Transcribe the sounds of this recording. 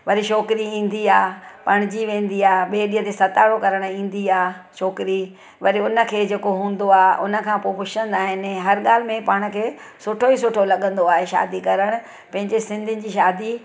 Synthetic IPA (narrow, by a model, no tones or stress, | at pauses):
ʋɐɾiʃɔːkɪɾiĩːn̆d̪iaːpɐɽ̃ɪd͡ʑiʋẽːn̆d̪iaːɦɓeːɗĩːɦə̃t̪eːsɐt̪aːɽokɐɾəɽ̃ĩːn̆d̪iaːʃɔːkɪɾi | ʋɐɾiʊnə̆kʰeːd͡ʑeːkoɦũːn̆d̪oaːʔʊ̰nə̆kʰãːpoːpʊt͡ɕʰə̃nd̪aːɦɪnɦɐɾɠaːl̤ɪ̆mẽpaːɽ̃̆kʰeː | sʊʈʰois̬ʊʈʰolɐɠə̃nd̪oaːɦeʃa̰ːd̪ikɐɾəɽ̃ʊ̆ | pɐ̃ɦɪ̃ɲd͡ʑesɪ̃nd̪ʱɪnɪ̆d͡ʑiːʃaːd̪i